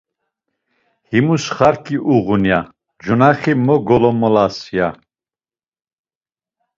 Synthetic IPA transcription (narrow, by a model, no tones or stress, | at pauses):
himusχaɾkʰiʔuʁunja | d͡ʒunaχimɔɡɔlɔmɔlasja